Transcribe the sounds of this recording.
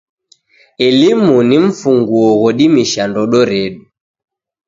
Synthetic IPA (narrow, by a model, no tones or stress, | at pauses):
ɛlimuniɱ̩fuŋɡuɔɣɔɗimiʃandɔɗɔɾɛɗu